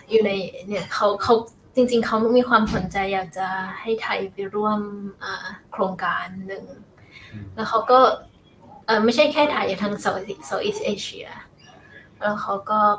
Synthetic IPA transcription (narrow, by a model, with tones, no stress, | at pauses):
juː˨˩na˧jni˥˩ɐkʰa˦˥wkʰa˦˥w | t͡ɕi˧ŋt͡ɕi˧ŋkʰa˦˥wm˥˩miː˧kʰwaː˧mso˨˩˦nt͡ɕa˧jːaː˨˩k̚t͡ɕa˨˩ha˥˩jt̪ʰa˨˩jpi˧ɾu˥˩əmʔaː˨˩kʰɾoː˧ŋkaː˧nːɯ˨˩ŋ | lɛː˦˥wxʰa˦˥wkɔː˥˩ | ʔɤː˨˩ma˥˩jt͡ɕʰa˥˩jkʰɛː˥˩t̪ʰaː˨˩˦juː˨˩t̪ʰa˦˥ŋsa˧˩˧sa˧˩wʔi˦˥˩sʔeː˧ɕʰi˧ɐ̰ | lɛ˦˥wxʰa˦˥wkɔː˥˩